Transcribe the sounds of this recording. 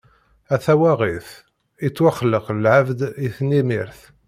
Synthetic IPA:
æθæwæʁiθ | it͡sːwaχːləqlʕavd̪iθnimiɾθ

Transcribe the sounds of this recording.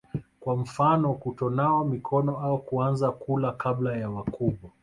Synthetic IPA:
kwam̩fanɔkutɔnawamikʰɔnɔaukuanzakulakablajawakuɓwa

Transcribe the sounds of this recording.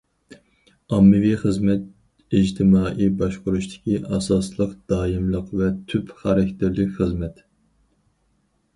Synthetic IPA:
ɑmːɨviχəzmɛt̪̚ | id͡ʒt̪ʰɪmɑːʔibɑʃqʊɾuʃt̪ʰɪ̥kʲiʔɑsɑslˠəqd̪̥ɑːjimlˠəqvɛt̪ʰypχɑɾɛkʲt̪ʰɪɾlɪkʲχəzmɛt̪

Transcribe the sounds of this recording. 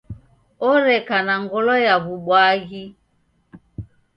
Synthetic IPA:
ɔɾɛkanaŋɡɔlɔjaβuɓwaɣi

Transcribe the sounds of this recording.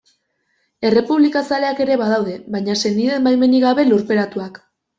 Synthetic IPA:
e̞re̞puβlikasale̞ake̞ɾe̞βað̞awðe̞βajɲase̞niðe̞mbajme̞niɣaβe̞luɾpe̞ɾat̪uak

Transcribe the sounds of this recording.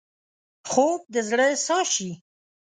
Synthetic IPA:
xob̚d̪əzɽəsɑʃi

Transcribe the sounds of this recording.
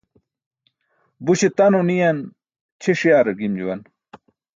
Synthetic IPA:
buɕet̪ɐnunijɐn | t͡ɕʰeʂijaːɾɐɡimd͡ʑuwɐn

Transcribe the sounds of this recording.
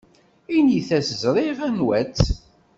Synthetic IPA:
iniθæsəzɾˤivænwæt͡sː

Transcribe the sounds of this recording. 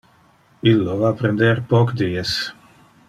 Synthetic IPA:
ilːovapɾend̪eɾpɔkd̪iːes

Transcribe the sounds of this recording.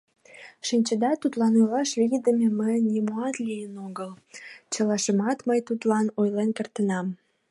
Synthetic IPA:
ʃinʲt͡ɕəd̪ɑt̪ut̪lɑnojlɑʃβijd̪əmʲeməjnʲimuɑt̪lʲijənoɡəlt͡ɕə̆lɑʃəmɑt̪məjt̪ut̪lɑnojlenkərt̪ənɑm

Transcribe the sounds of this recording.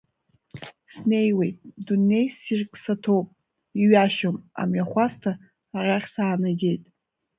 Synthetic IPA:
sne̞jwe̞jtʼdunːe̞jsirkʼsatʰowpʼ | iɥaʃoma̰mɥaχʷastʰa | arʲaχʲsaːnaɡʲe̞jtʼ

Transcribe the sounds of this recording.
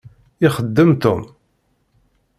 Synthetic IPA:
ɪχəd̪ːəmt̪o̰m

